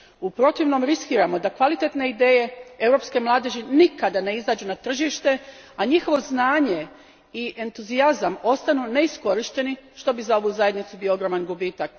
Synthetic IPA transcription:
upɾo̞t̪iʋno̞mɾiskiːɾamo̞d̪akʋalit̪e̞t̪ne̞id̪e̞ːje̞e̞uɾo̞pske̞mlˠaːd̪eʒinikad̪ane̞izaːd͡ʒunat̪r̩ʒiʃt̪e̞ | aɲixo̞ʋo̞znaːɲe̞ | iʔent̪uziazamo̞st̪anune̞isko̞ɾiʃt̪e̞niʃt̪o̞bizao̞ʋuzaje̞d̪nit̪subijo̞oɡɾo̞manɡubiːt̪ak̚

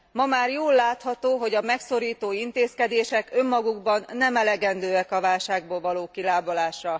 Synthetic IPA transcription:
mɒmaːrjoːlːaːt̪hɒt̪oːɦo̞ɟɒmɛkso̞ɾiːt̪oːint̪eːskɛd̪eːʃɛkø̞mːɒɡuɡbɒnːɛmɛlɛɡɛnd̪øːɛkɒvaːlʃaːɡ̚boːlvɒloːkilaːbolaːʃrɒ

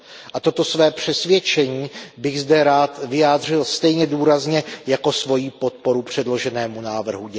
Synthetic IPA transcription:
ʔat̪o̞t̪o̞svɛːpr̝̥ɛsvjɛt͡ʃɛɲiːbɪɣzdɛɾaːt̪vɪjaːd̪r̝ɪlst̪ɛjɲɛduːɾazɲɛjako̞svo̞jiːpo̞t̪̚po̞ɾupr̝̥ɛdlo̞ʒɛnɛːmunaːvr̩ɦu

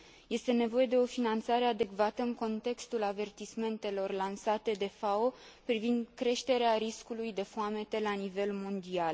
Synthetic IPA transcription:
je̞st̪e̞ne̞vo̞je̞d̪e̞o̞finant̪saɾead̪e̞kvat̪əɨŋko̞nt̪e̞kst̪ulave̞rt̪isme̞nt̪e̞lo̞rlansat̪e̞d̪e̞fao̞pɾivind̪kɾe̞ʃt̪e̞ɾeaɾiskulujd̪e̞fuame̞t̪elanive̞lmo̞nd̪ial

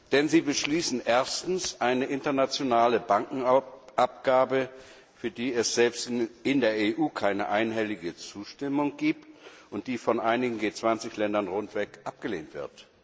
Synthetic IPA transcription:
d̥ɛnziːbəʃliːsn̩ʔeːɐstn̩sʔaɪnəʔɪntɐnat͡sjonaːləbaŋkŋ̩ʔap̚ɡ̥aːbə | fyːɐdiːɛsz̥ɛlpstɪndeːɐeʔuːkʰaɪnə̰ʔaɪnɦɛlɪɡət͡suːʃtɪmʊŋɡiːptʔʊnt̚d̥iːfɔnʔaɪnɪɡŋ̩ɡeːt͡sv̥ant͡sɪçlɛndɐnʁʊntv̥ɛkʔap̚ɡ̥əleːntv̥ɪ̰ɐt

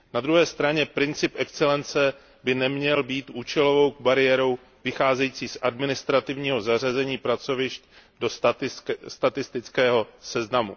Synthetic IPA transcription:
nad̪ɾuɦɛːst̪ɾaɲɛpɾɪnt͡sɪpʔɛkt͡sɛlɛnt͡sɛ | bɪnɛmɲɛlbiːt̪ʔuːt͡ʃɛlo̞vo̞wɡ̚baɾɪjɛɾo̞w | vɪxaːzɛjiːt͡siːsʔadmɪnɪst̪ɾat̪ɪvɲiːɦo̞zar̝azɛɲiːpɾat͡so̞vɪʃt | do | st̪at̪ɪst̪ɪt͡skɛːɦo̞sɛznamu

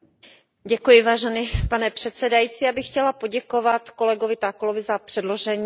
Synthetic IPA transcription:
ɟɛkujɪvaːʒɛnipanɛpr̥ɛt̪sɛdajit͡siabɪxcɛlapo̞ɟɛko̞vat̪ko̞lɛɡovɪt̪akolovɪzapr̥ɛdlo̞ʒɛɲː

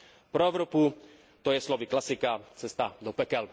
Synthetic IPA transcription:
pɾɔɛʊɾɔpu | t̪ɔjɛslɔviklasikat͡sɛst̪ad̪ɔpɛkɛl

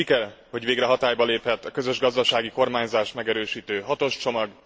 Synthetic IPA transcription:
ikɛl | ho̞ɟʋeːɡrɛɦɒt̪aːjbɒleːphɛt̪ːɒkø̞zøʒɡɒzd̪ɒʃaːɡiko̞rmaːɲzaːʃmɛɡɛɾøːʃiːt̪øːɦɒt̪o̞ʃt͡ʃo̞mɒɡ

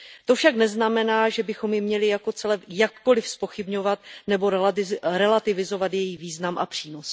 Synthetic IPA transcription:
t̪o̞fʃaknɛznamɛnaːʒɛbɪxo̞mjɪmɲɛlɪjako̞t͡sɛlɛjakːo̞lɪfspo̞xɪbɲo̞vat̪nɛbo̞ɾɛlat̪ɪvɪzo̞vat̪jɛjiviːznamʔapr̥iːno̞s

